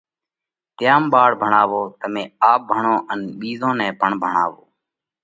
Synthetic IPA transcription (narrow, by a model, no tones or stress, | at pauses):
t̪ɪjaːmɓaːɽbʱəɳaːʋoːt̪əmẽːaːp̚bʱəɳõːʔənɓiːzõːnɛ̃ːpəɳbʱəɳa̰ːʋoː